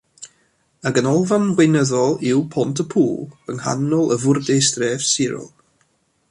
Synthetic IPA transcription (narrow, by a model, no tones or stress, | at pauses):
aɡənɔlˠvanɡwenəðɔlˠɪwpʰɔntʰəpʰuːlˠəŋha̰nɔlˠʔəvʊrdestrɛv̥sɪɾʊ̰lˠ